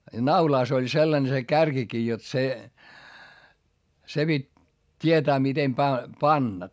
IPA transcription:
jɑ nɑulɑˑs olʲ selːɑne se kærkikiː jot se se pitʲ tʲietæː mitem pæi pɑnːɑ

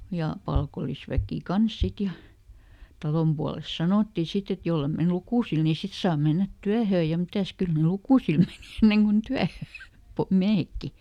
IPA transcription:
jɑ pɑlkolˑisʋækiˑ kɑns sit jɑ tɑlom puɑlest̆ sɑnoˑtːi sit et jolːe men lukuˑsil ni sit sɑː menːæt tyæhøː jɑ mitæs kyl ny lukuˑsil meniˑ enːeŋ kun tyæhøː miæhekːi

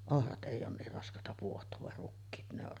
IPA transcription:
ohrɑt ʔeˑi oːn niːr rɑskˑɑˑetɑ puohtˑoːʋ ʋɑr rukːiːt ne or

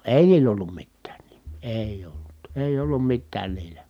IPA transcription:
eˑi̯ niːlˑ olːum mitːæːn n̥i̥m̥ːi̥ eˑij olːut eˑij olːum mitːæːn niːlæ

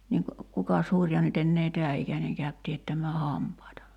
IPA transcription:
niːŋk kukɑs hurʲjɑ nyt enːeː tɛæ ʔikæneŋ kæyt tiætːæmˑæː hɑmpɑitɑ

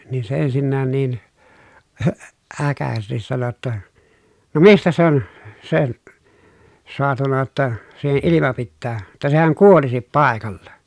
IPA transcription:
niːn se ensinːæːn niːn hø ækæsestis sɑno tːɑ no mistæ se on sen̞ soɑtunɑ j̆ŏtːɑ siːhe ʔilimɑ pitːæː tæ sehæŋ kuolisip pɑˑekɑlːɑ

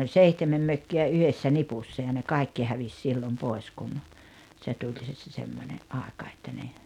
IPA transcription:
olʲ seihtemem møkːiæ yhesːæ nipusːɑ jɑ ne kɑˑi̞kːi hæʋis silːom poi̞s kun se tulʲ se se se semːonʲeʔ ʔɑˑekɑ etːæ ne

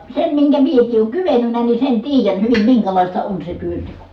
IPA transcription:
sem miŋkæ miekˑiː ʔoːŋ kyʋenynæ ni sen tiːjæn hyʋim miŋkælɑˑistɑ on se tyønteko

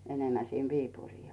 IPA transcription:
enemːæ sin ʋiːpuriː

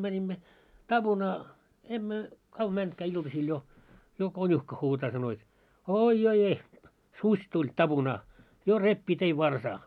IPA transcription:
mænʲimːæ tɑb̥unɑː emːø kɑʋ mæntkæː iltɑsil jo jo konʲuhkɑ huːtɑː sɑno jot oːi joi eh susʲ tulʲ tɑb̥unɑː jo repːiː tei ʋɑrsɑː

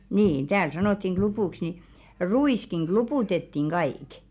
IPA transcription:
niːn tæːl sɑnotːiŋ ɡ̊lupuˑks ni ruiˑskiŋ ɡ̊lupuˑtetːiŋ ɡ̊ɑiˑk

